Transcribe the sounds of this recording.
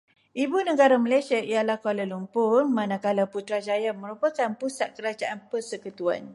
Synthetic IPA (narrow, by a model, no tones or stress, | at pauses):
ʔibunəɡaɾaməlajsiaʔijalahkalalumpʊrmãnãkalaput̪ɾad͡ʒajamə̃ɾupakanpusat̪̚kəɾad͡ʒaʔanpərsəkət̪ua̰n